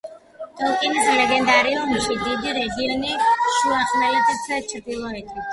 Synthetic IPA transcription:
t̪ʼɛlˠkʼinislɛɡɛnd̪aɾiumiʃid̪id̪iɾɛɡiɔniʃuaχmɛlɛt̪asʰɛt͡ʃʰɾd̪ilˠɔɛt̪ʰi

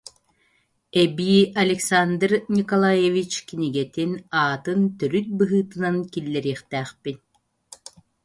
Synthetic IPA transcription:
ɛbiːʔɐlʲɛksand̪ɾnʲikɔlˠajevit͡ɕkiniɡɛt̪inaːt̪ɯnt̪œɾyt̪̚bɯɦɯːt̪ɯnankilːɛɾiːχt̪æːχpin

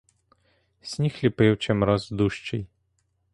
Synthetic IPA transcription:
sʲnʲixlʲipewt͡ʃɛmɾɔzd̪uʃt͡ʃɛj

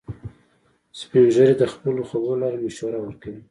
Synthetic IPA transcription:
spewʒəɾed̪əxpəloxoɡolɑɾmeʃwaɾawəɾkawi

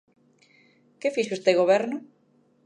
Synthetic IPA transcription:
kɪfiʃost̪eɣoβɛɾnʊ

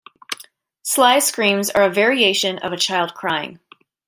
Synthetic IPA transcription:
slaɪ̥skɹĩmzə̰˞ɨvɛɹieɪʃɨ̃nʌ̰vɨt͡ʃʰaɪlˠd̚kʰɹ̥aɪɪ̰̃ŋ

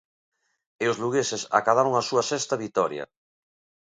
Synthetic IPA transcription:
eozluɣesesa̰kaðaɾoŋasuɐsɛst̪aβit̪ɔɾjɐ̰

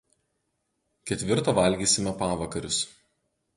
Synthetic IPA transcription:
kʲɛt̪ʲʋʲɪɾt̪oːʋɐlʲɡʲiːsʲɪmʲɛpɑːʋɐkɐɾʲʊs

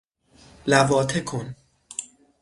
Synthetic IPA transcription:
lævɒːt̪ʰekʰon

